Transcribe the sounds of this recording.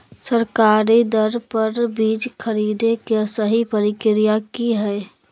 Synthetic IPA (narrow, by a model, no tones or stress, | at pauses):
səɾkaːɾid̪əɾpəɾbiːd͡ʒkʰəɾid̪ekesəɦipəɾɪkɾijakiɦɛː